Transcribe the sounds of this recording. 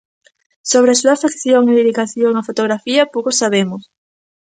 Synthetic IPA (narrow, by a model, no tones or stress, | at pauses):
soβ̞ɾesuafekθjoŋeðiðikaθjoŋafot̪oɣɾafiɐpowkosːaβ̞emʊs